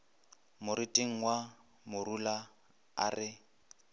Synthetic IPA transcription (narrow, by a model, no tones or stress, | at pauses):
mʊɾitʼɪŋ̩wa | mʊrula | a̰rɪ